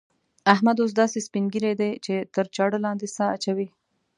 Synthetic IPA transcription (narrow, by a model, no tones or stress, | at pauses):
ahmad̪os̬d̪ɑsespinɡiɾejd̪et͡ʃet̪əɾt͡ʃɑɽəlɑnd̪esaːt͡ʃawi